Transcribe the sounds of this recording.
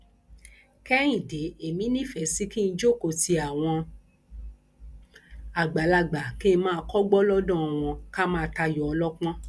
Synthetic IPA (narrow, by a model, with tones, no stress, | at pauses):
kɛ˦j̃ĩ˨de˨˦e˨mĩ˨˦nĩ˦˨fɛ˨˦si˨˦ki˦n̩˧˦d͡ʒo˦˨ko˧˨ti˧a˨w̃ɔ̃˧ | a˨ɡ͡ba˨˦la˧ɡ͡ba˨ke˦˧˦mãː˦˧kɔ˦ɡ͡bɔ˦lɔ˦dɔ̃˦˨w̃ɔ̃˧ka˦mãː˦˨˧ta˧jɔ˨ɔ˧lɔ˦k͡pɔ̃˦